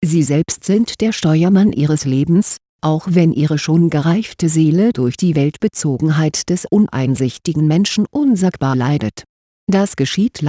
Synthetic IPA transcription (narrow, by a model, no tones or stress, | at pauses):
ziːzɛlpstz̥ɪntd̥eːɐʃtɔʏɐmanʔiːʁəsleːbm̩s | ʔaʊxv̥ɛnʔiːʁ̞əʃoːnɡəʁaɪftəzeːlədʊɐçd̥iːvɛltb̥ət͡soːɡŋ̩ɦaɪtd̥ɛsʔʊnʔa̰ɪnzɪçtɪɡŋ̩mɛnʃn̩ʔʊnzakb̥aːlaɪdə̰t | d̥asɡ̥əʃiːtl